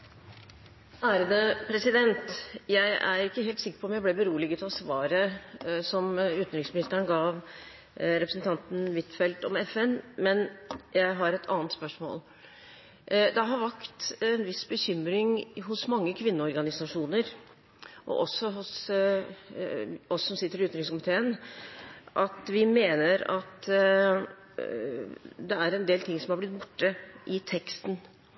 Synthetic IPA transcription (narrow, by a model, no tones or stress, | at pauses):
æːɾəd̪əpʰɾɛsɪd̪ɛnt̪jæɪæ̰ɾɪkːəɦeːlt̪sɪkːəɾpʰɔmjæɪblɛbəɾuːəlɪɡʉt̪ʰɑsʋɑːɾəsɔmʉːt̪nɾɪŋsmɪnɪst̪əɳəɡɑːʋ | ɾɛpɾəsn̩t̪ʰɑnt̪n̩ʋɪt̪fɛlt̪ɔmɛfɛnmɛnjæɪɦɑɾɛt̪ʰɑ̰ːnt̪spœʂmo̰ːl | d̪ɛɦɑɾʋækt̪ɛnʋɪsbəçʏmɾɪŋɦʊsmɑŋːəkʰʋɪnːəɔɾɡɑnɪsɑʂuːnəɾ | ʔɔ̰ʔɔsːɔɦʊs | ɔsːɔmsɪt̪ːəɾɪʉːɾɪŋskʊmɪt̪ʰeːən | ʔɑt̪ʋɪmeːnəɾɑt̪ | d̪ɛæɾɛnd̪eːlt̪ʰɪŋːsɔmhɑɾblɪt̪̚ːbʊʈːəʔɪt̪ʰɛkst̪n